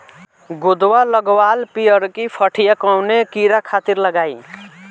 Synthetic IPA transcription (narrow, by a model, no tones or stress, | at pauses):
ɡud̪walʌɡwalpijəɾkipʰʌʈʰijakawnekiɾakʰat̪iɾləɡaj